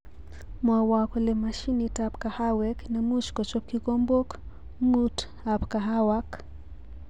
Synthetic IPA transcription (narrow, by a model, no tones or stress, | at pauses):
mwawakɔlɛmaʃinitap̚kahawɛknamuʃkɔt͡ʃɔkːikɔmbok | ŋut | apkaɦawak